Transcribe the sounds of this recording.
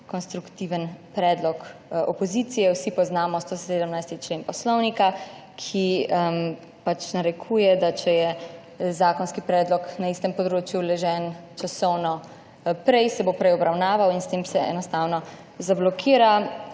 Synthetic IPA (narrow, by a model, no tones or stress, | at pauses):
kɔnst̪ɾukt̪iʋənpɾɛːd̪lɔkɔpɔzit̪sijɛwsipɔznaːmɔst̪oseːd̪əmnajst̪it͡ʃleːnpɔslɔwnika | kʰi | pat͡ʃnaɾɛkʰuːjɛd̪at͡ʃɛjɛ | zaːkɔnskipɾɛːd̪lɔknaist̪əmpɔd̪ɾoːt͡ʃjulɛʒɛːnt͡ʃasɔwnɔ | pɾɛjsɛbopɾɛjɔbɾawnaːʋawinst̪eːmsɛɛ̰nɔst̪aːwnɔ | zablɔkʰiːɾa